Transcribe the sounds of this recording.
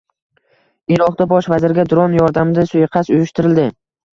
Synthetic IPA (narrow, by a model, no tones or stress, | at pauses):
ɪɾɒqd̪̥abɒʃvazɪɾɡʲad̪ʊɾɒnjɒɾd̪amɪd̪asʊjqʰɑsʊjʊʃt̪ʰɪɾɪld̪ɪ